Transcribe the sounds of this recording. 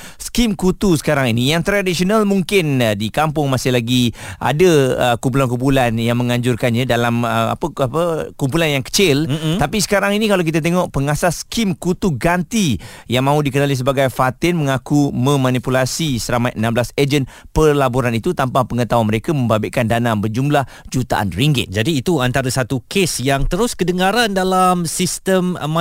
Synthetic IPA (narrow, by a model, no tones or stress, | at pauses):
skimkut̪usə̥kaɾaŋinijaŋt̪ɾadisionalmuŋkɪndikampʊŋmasɪhlaɡiʔa̰daəkumpulankumpulanjaŋmə̃ŋãɲd͡ʒʊrkanɲãdalaməa̰pəapəkump̬ulanjaŋkə̥t͡ʃɪlt̪apisə̥kaɾaŋinikalawk̬it̪at̪̬eŋɔʔpəŋasaskimkut̪uɡant̪ijaŋmãudikənalis̬əbaɡajfat̪ɪnməŋakumə̃mãnipulasisəɾamajʔənãmblased͡ʒənpərlaboɾanit̪ut̪ampahpəŋət̪awanməɾekamə̃mbabɪʔkandanabərd͡ʒumlah | d͡ʒut̪a̰ʔa̰nriŋɡɪ̰t̪̚d͡ʒadiːt̪uant̪aɾəsat̪ukesjaŋt̪əɾʊskədəŋaɾandalamsist̪əmm